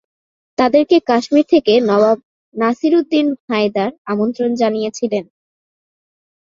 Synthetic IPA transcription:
t̪ad̪eɾkekaʃmiɾt̪ʰekenɔbab̚ | nasiɾud̪ːinhajd̪aɾamont̪ɾond͡ʑanijet͡ɕʰilen

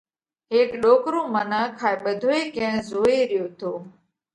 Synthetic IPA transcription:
ɦeːkɗoːkɾõːmənaːkʰaːeɓəd̪ʱoːeːkẽːzoːeːɾɪjoːt̪oː

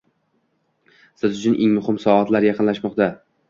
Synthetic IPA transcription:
sɪzʊt͡ʃʰʊnʔeŋmʊhɪmsɒat̪laɾjɑqʰɨnlaʃmɒqt̪a

